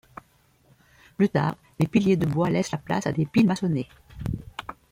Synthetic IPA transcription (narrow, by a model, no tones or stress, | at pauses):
plyt̪a̰ːʁ | lepiljed̪əbwalɛslapla̰sad̪epilmasɔne